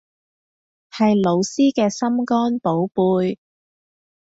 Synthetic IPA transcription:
hɐ˨jlo˨˧wsiː˥kɛː˧sɐ˥mkɔː˥npo˨˥wpuː˧j

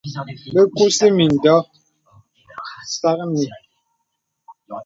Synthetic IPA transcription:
be˦ku˦si˦mi˨n̩˨dɔ˦ | sa˦k̚mi˨

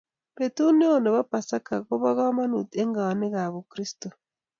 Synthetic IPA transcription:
βetu˦ne˦o˨ne˨βa˦pasa˦ka˨ko˦βa˦ɣa˦ma˦nu˨teŋɡa˨wa˨ni˦ɣa˨βu˨kɾi˦sto

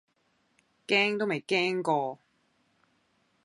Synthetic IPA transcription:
kɛː˥ŋt̪o˥wme˨˩jkɛː˥ŋkɔː˧

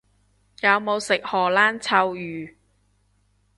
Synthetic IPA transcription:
jɐ˨˧wmo˨˧wsɪ˨k̚hɔː˨˩laː˥nt͡sʰɐ˧wjyː˨

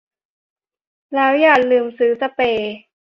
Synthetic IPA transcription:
lɛː˦˥wjaː˧˩k̚lɯː˨˩msɯː˩˦sa˧peː˨˩

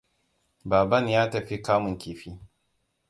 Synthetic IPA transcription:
baː˨bɐ˦njaː˦tɐ˨ɸi˦kaː˦mʊ˨ŋkʲeː˨ɸiː˦

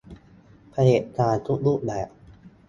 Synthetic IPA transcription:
pʰa˧leː˨˩t̚t̪aː˧nt̪ʰu˦˥luː˦˥˩p̚bɛː˨˩p̚

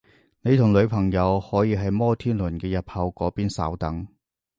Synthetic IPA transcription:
ne˨˧jt̪ʰʊ˨˩ŋlɵ˨˧ɥpʰɐ˨˩ŋjɐ˨˧whɔː˨˥jiː˧ɦɐ˨jmɔː˥t̪ʰiː˥nlʊ˨˩nkɛː˧jɐ˨p̚hɐ˧wkɔː˨˥piː˥nsɐ̰ː˨˥wt̪ɐ˨˥ŋ

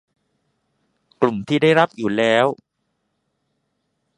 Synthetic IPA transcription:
klu˨˩mt̪ʰiː˥˩da˥˩jɾa˦˥p̚juː˨˩lɛː˦˥w

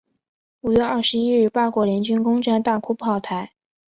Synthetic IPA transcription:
u˨˩ɥɛ˥˧ɐ˞˥˩ʂɻ̩˧˥i˥ɻ̩˥˩pa˥˩kwɔ˧˥ljɛ˧˥nt͡ɕy˥nkʊ˥ŋʈ͡ʂa˥˧nt̪a˥˩kʰu˥pʰɑ˥˩ʊt̪ʰa˧˥ɪ

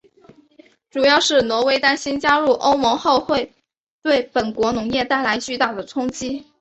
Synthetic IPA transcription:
ʈ͡ʂu˨˩jɑ˥˧ʊʂɻ̩˥˩nwɔ˧˥we˥ɪt̪a˥nɕi˥nt͡ɕja˥ɻu˥˩ʔo˥ʊmɤ˧˥ŋxo˥˧ʊxwe˥˧ɪ | t̪we˥˩ɪpə˨˩nkwɔ˧˥nʊ˧˥ŋjɛ˥˧t̪a˥˩ɪla˧˥ɪt͡ɕy˥˧t̪a˥˩d̪ə˩ʈ͡ʂʰʊ˥ŋt͡ɕi˥

